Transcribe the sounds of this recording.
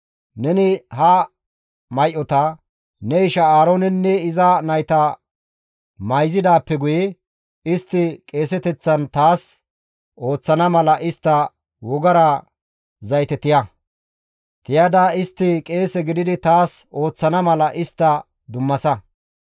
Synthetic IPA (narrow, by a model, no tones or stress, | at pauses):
nɛnɪhɐ | mɐjʔɔt̪ɐ | nɛɪʃɐaːɾoːnɛnːɛɪzɐnɐjt̪ɐ | mɐjzɪd̪aːpːɛɡʊjɛ | ɪst̪ːɪkʼe̞ːsɛt̪ɛt͡sːɐnt̪aːs | o̞ːt͡sːɐnɐmɐlɐʔɪst̪ːɐ | wɔɡɐɾɐ | zɐjt̪ɛt̪ɪjɐ | t̪ɪjad̪aɪst̪ːɪkʼe̞ːsɛɡɪd̪ɪd̪ɪt̪aːso̞ːt͡sːɐnɐmɐlɐʔɪst̪ːɐ | d̪ʊmːɐsɐ